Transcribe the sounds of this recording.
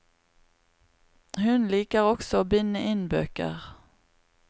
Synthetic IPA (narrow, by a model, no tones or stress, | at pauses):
hʉnliːkəʁɔksɔoːbɪnːəʔɪnbø̰ːkə̰ʁ